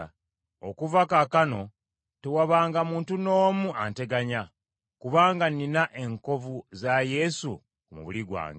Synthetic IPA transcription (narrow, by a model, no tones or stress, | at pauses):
o̰kuvakakano̞ | tewaβaːŋɡamuːntuno̞ːmuante̞ɡaɲa | kuβaːŋɡaninaʔe̞ŋko̞vuzaje̞sṵ | kmṵβuliɡwa̰ːŋɡ